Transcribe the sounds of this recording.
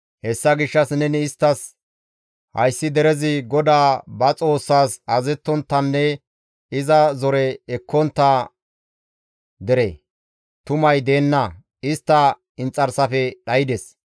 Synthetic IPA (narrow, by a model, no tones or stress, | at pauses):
hɛsːɐɡɪʃːɐsnɛnɪːst̪ːɐs | hɐ̰jsːɪd̪ɛɾɛzɪɡɔd̪aːbɐt͡sʼo̞ːsːaːsɐzɛt̪ːɔnt̪ːɐnːɛ | ɪzɐzɔɾɛːkːɔnt̪ːɐ | d̪ɛɾɛ | t̪ʊmɐjd̪e̞ːnːɐ | ɪst̪ːɐ | ɪnt͡sʼːɐɾsɐfɛɗɐjɪd̪ɛs